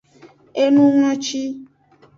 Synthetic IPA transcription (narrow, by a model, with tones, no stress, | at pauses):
e˦nũ˦ŋɔ̃˦t͡ʃi˦